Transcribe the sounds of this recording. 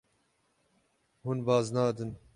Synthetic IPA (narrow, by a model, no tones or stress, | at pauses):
hunbɑːznɑːd̪ɨn